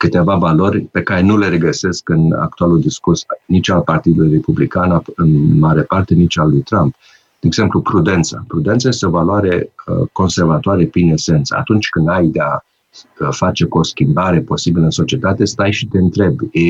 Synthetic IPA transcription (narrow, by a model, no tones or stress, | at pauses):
kɨt̪e̞vavalo̞rʲpe̞kaɾe̞nule̞ɾeɡəse̞skɨna̰k̚t̪ualuld̪iskursnit͡ʃalpart̪id̪ulujre̞publikanaɨnmaɾe̞part̪e̞nit͡ʃalujt̪ɾamp̚ | d̪eːɡz̥e̞mplupɾud̪e̞nt̪sa̰pɾud̪e̞nt̪saje̞st̪eo̞valwaɾe̞̰ko̞nse̞rvat̪oaɾepɾinese̞nt̪sə̰a̰t̪unt͡ʃʲkɨnd̪ajd̪e̞a | fat͡ʃe̞koskʲimbaɾe̞po̞sibiləɨnso̞t͡ʃie̞t̪at̪e̞st̪ajʃit̪e̞ɨnt̪ɾe̞b